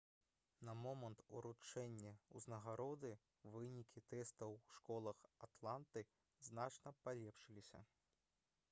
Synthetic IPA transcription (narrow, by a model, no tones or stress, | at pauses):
nɐmɔmɐnt̪ṵɾut͡ʂɛnʲːɛṵznɐɣaɾɔd̪ɨ | vɨnʲikʲit̪ɛst̪ɐwʂkɔlˠɐxat̪lˠant̪ɨ | znat͡ʂnɐpalʲɛpʂɨlʲisʲɐ̰